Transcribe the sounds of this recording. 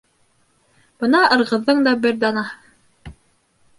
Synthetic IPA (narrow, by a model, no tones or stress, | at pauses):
b̥ɤnɑʔɤ̆ɾʁɤ̆ðːɤɴd̪ɑbɘɾd̪ɑnɑ